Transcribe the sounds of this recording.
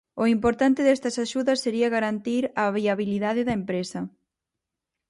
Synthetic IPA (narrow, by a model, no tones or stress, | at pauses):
ʊimpoɾt̪ant̪ɪðɛst̪ɐsaʃuðɐsːeɾiɐɣaɾant̪iɾɐβiaβiliðaðɪðɐempɾesɐ